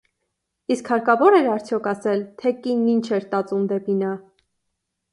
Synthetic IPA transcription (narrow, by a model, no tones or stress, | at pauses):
iskhɑɾkɑvɔɾɛɾɑɾt͡sʰjɔkʰɑsɛlt̪ʰɛkinːint͡ʃʰɛɾt̪ɑt͡sumd̪ɛpinɑ